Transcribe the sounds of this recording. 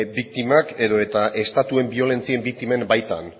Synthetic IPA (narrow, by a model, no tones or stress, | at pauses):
bik̚t̪imake̞ðo̞et̪aʔe̞st̪at̪ue̞mbio̞le̞nt͡sie̞mbik̚t̪ime̞mbajt̪a̰n